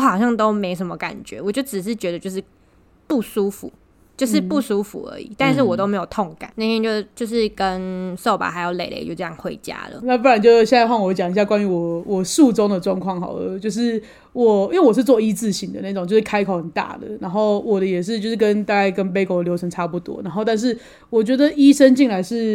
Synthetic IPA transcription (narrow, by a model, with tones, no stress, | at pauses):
xɑ˨˩ʊɕjɑ˥˩ŋt̪o˥ʊme˧˥ɪʂ̬ə˧˥nmə˦ka̰˨˩nt͡ɕɥɛ̰˧˦wɔ˨˩t͡ɕjo˥˩ʊʈ͡ʂɻ̩˨˩ʂ̬ɻ̩˥˩t͡ɕɥɛ˧˥d̪ə˧˨t͡ɕjo˥˧ʂɻ̩˥˩ | pu˥˩su˥fṵ˨˩ | t͡ɕjo˥˧ʊʂɻ̩˥˧pu˥˩su˥fṵ˨˩ə̰˧˦ḭ˨˩t̪a˥˧nʂ̬ɻ̩˥˩wɔ˨˩t̪o˥ʊme˧˥ɪjo˨˩ʊt̪ʰɔ˥˩ŋka̰˨˩˦na˥˩t̪ʰjɛ˥nt͡ɕjo˥˧ʊt͡ɕjo˥˧ʊʂɻ̩˥˨kə˦nso˥˩ʊpa̰˨˩xa˧˥ɪjo˧˩ʊle˨˩ɪlʔḛ˨˧ɪt͡ɕjo˥˧ʊʈ͡ʂɤ˧jɑ̰˥˩ŋxwe˧˥ɪt͡ɕja̰˥lə̰˨na˥˨fo˥ɻa˧˦nt͡ɕjo˥˧˩ɕjɛ˥˧na˥˧ɪwa˥˩ŋwɔ˧˦t͡ɕjɑ˨˩ŋi˧ɕ̬ja˥˩kwa˥ny˧˥wɔ˨˩wɔ˨˩su˥˨˩ʈ͡ʂo˥˦ŋd̪ə˨ʈ͡ʂwɑ˥˧ŋkʰwɑ˥˩ŋxa̰˨˩ʊ̰˧˦t͡ɕjo˥˧ʊʂ̬ɻ̩˥˩ | wɔ˨˩i˥we˥˩wɔ˨˩ʂɻ̩˥˧t͡swɔ˥˧˨i˥t͡sɹ̩˥˩ɕi˧˥ŋd̪ə̰˨˦na˥˩ʈ͡ʂŋt͡ɕo˥˧ʊʂɻ̩˥˩kʰa˥ɪkʰo˨˩ʊxə˨˩nt̪a̰˥˩d̪ə̰˩na˧˥nxo˥˩ʊwɔ˨˩də˦jɛ˨˩ʂ̬ɻ̩˥˧t͡ɕjo˥˧ʊʂɻ̩˥˩kə˦nt̪a˥˧ka˥ɪkə˦˥np̬e˥ɪkʰo˧˩ʊljo˧˥ʊʈ͡ʂʰə˧˥ŋʈ͡ʂʰa˥pu˥˩t̪wɔ̰˦na˧˥nxo˥˧ʊt̪a˥˧nʂ̬ɻ̩˥˩ | wɔ˨˩t͡ɕɥɛ˧˥d̪ə˨i˦˥ʂə˦nt͡ɕi˥˩ŋla˧˥ɪʂɻ̩˥˩